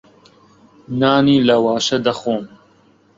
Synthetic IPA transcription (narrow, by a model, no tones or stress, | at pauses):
naːniːlɐwaːʃɐd̪ɐxoːm